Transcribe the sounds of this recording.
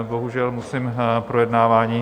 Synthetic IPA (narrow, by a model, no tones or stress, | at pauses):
boɦuʒɛlmusimpɾojɛdnaːvaːɲiː